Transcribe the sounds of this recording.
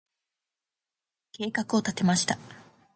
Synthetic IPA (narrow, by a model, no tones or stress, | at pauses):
ke̞ːkakɯ̟o̞t̪at̪e̞maɕi̥t̪a